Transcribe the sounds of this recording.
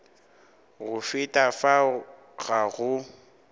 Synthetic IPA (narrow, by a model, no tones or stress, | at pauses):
ɣʊfɪtʼafa | ɣaɣʊ